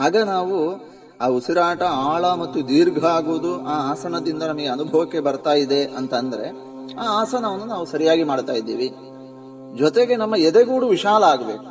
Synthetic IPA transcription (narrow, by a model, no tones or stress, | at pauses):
aːɡɐnaːʋu | aːusiɾaːʈɐaːɭɐmɐt̪ːud̪iːɾɡʱɐaːɡuːd̪uaːaːsɐnɐd̪ind̪ɐnɐmɐɡe̞ɐnubʱɐʋɐkːe̞bɐɾt̪aːjid̪e̞ʔɐnt̪ɐnd̪ɐɾe̞ | aːaːsɐnaːʋnunaːʋusɐɾijaːɡimaːɽt̪aːjid̪ːḭːʋi | d͡ʒɔt̪e̞ɡe̞nɐmːɐɛd̪eɡuːɽuʋiʃaːlɐaːɡɐbe̞ːku̥